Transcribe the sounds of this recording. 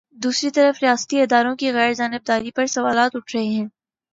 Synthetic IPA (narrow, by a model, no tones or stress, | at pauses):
d̪uːsɾit̪ɐɾəfɾijaːsə̥t̪iɪd̪aːɾõkiɣɛːɾd͡ʒaːnɪb̚d̪aːɾipɐɾsɐʋaːlaːt̪ʊʈʰɾɐɦeɦɛ̃ː